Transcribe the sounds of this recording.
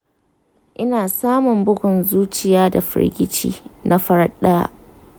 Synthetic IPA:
ʔɪ˦naː˨saː˦mʊ˨mbʊ˦ɡʷʊ˨nzuː˦t͡ʃɪ˨jaː˦da̰˨ɸɪ̰˦ɾɡʲɪ˦t͡ʃḭː˦nʔa˦ɸɐ˦ɾɐ˦ɗaː˦

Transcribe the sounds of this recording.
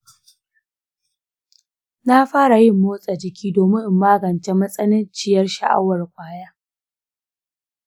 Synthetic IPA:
na˦ɸaː˦ɽa˨jɪ˦˨mːoː˦sʼa˨d͡ʒɪ˨kʲʰiː˦doː˨mɪ˦ŋʔɪ˨mːaː˦ɡɐ˨nt͡ʃe˦mɐ˦sʼɐ˦nɪ˦nt͡ʃɪ˦˨jɐ˦rʃa̰˨ʔa̰˦wɐ˨rkʷʼaː˦jaː˦

